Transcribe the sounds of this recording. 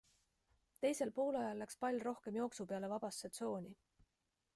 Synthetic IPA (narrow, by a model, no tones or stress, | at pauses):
t̪e̞jse̞lpo̞ːlɑjɑlːækspɑlʲjɾo̞hke̞mjo̞ːksupe̞ɑle̞vɑb̥ɑsːet̪so̞ːnʲi